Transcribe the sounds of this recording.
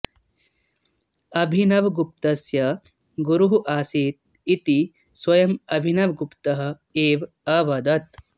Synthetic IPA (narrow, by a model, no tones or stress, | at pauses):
ɐbʱinɐʋɡup̚t̪ɐsjɐ | ɡuɾuɦuʔaːsiːt̪̚ | it̪i | swɐjɐmɐbʱinɐʋɡupt̪ɐɦɐ̆ | eːʋ | ɐʋɐd̪ɐt̪